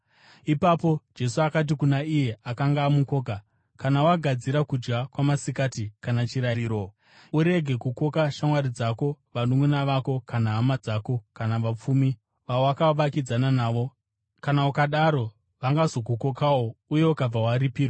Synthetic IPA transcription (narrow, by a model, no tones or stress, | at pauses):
ipapo̞d͡ʒe̞suakat̬ikunaije̞akaŋɡaːmuko̞ːk̬a | kanawaɡʱad͡ziɾakud͡ʒɡakwamasikatikanat͡ʃiɾaiːɾo | uɾe̞ɡʱe̞kuko̞kaʃamwaɾid͡zako̞ʋanumwenaʋako̞kanaːmad͡zako̞kanaʋap͡fumi | ʋawakaʋakid͡zananaːʋo̞ | kanaukaɗaɾo̞ | ʋaŋɡazo̞kuko̞kawouje̞ukab͡vawaɾipiːro